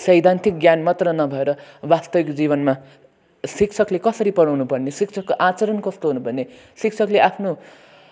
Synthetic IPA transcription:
sʌjd̪ʱant̪ʰik̚ɡjanmʌt̪rʌnʌbʱʌeɾʌbast̪ʌbikd͡ziβʌnma | sikt͡sʰʌklekʌsʌɾipʌɽawnupʌrnesikt͡sʰʌkːoʔat͡sʌɾʌnkʌst̪oɦunupʌrne | sik̚t͡sʰʌkleʔapʰno

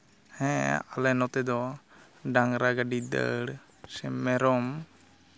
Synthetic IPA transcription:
hɛ̃alɛnɔt̪ɛd̪ɔ | ɖaŋɾaɡaɖid̪ə̰ɽ | sɛmɛɾɔm

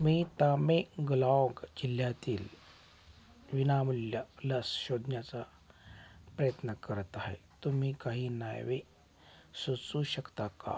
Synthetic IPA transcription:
miːt̪ameɡlɔɡd͡ʑil̤jat̪iːl | ʋinamuljələsɕod̪ʱnjat͡sa | pɾəjət̪nəkəɾət̪aɦḛt̪um̤iːkaɦiːna̰jʋe | sət͡suːɕəkt̪aka̰

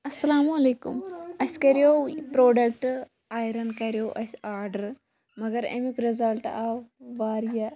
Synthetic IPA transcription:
ɐsːɐlaːmuɐleːkṵmɐskɐɾijopɾoːɖɐk̚ʈ | aːjɾɐnkɐɾjoːʔɐsaːɾɖɐɾ | mɐɡɐɾḛmikɾizɐlʈaʋʋaːɾja

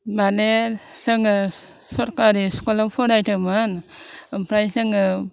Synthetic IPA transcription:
balesɯŋɯ | sɔɾkaɾiskolapʰɔɾajtʰɯmɯnɯmpʰɾajsɯŋɯ

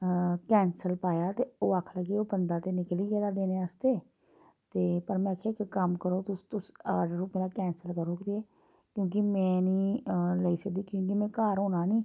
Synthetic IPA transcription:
kɛːnsəlpaːjaːt̪eːoːaːkʰləɡiːoːbənd̪aːt̪eːnɪkliːkɛːd̪aːd̪eːneːaːst̪eː | t̪eːpəɾmɛ̃ːkʰekkəmkəɾoːt̪ʊst̪ʊsaːɖɾuːpmeːɾaːkɛːnsəlkəɾoːkt̪eɛː | kjõːkɪmɛ̃ːniːləiːsək̚d̪iːkjõːkɪmɛ̃ːkaːɾɦoːnaːnĩː

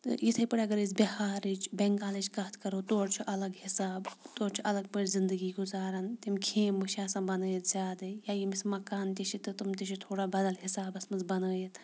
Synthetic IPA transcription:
ɨ̰jit̪ʰɐjpɐɽɐɡɐɾit͡sbʲihaːɾit͡ʃbeŋkaːlit͡ʃkɐt̪ʰkɐɾoːt̪oːɾt͡ʃʰuʔɐlɐɡhisaːbt̪oːɾt͡ʃʰuʔɐlɐɡ̚pəːɽʲzind̪əɡiːɡuzaːɾant̪imkʰeːmbɨʃaːsãːbɐnəːjit̪zʲaːd̪ɐjaːjimismɐkaːnt̪ʲiʃit̪ɨt̪umt̪iʃit̪ʰoːɽaːbɐd̪ɐlɦisaːbɐsmɐnzbɐnəːjit̪ʰ

